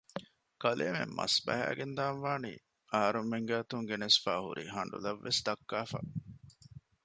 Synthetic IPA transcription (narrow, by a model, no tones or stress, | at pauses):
kɐleːmḛmmɐ̰sbæɦæ̰ːɡend̪aːnʋaːnḭː | ɐɦɐɾumːeŋɡæːt̪uŋɡenesfaːhṵɾʔḭɦɐɳɖṵlɐʋːesd̪ɐkːaːfa̰ː